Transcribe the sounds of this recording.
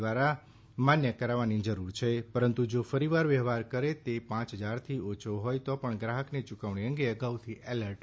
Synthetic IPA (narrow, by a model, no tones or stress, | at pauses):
ʋaɾa | manjəkəɾaʋanid͡ʒəɾuɾt͡ʃʰepəɾənt̪ud͡ʒofəɾiʋaɾʋəɦʋaɾkəɾet̪epãt͡ʃɦəd͡ʒaɾt̪ʰiot͡ʃʰoɦojt̪opəɳɡɾaɦəknet͡ʃukaʋɳeə̃ŋɡeəɡaʋt̪ʰiʔeləɾʈ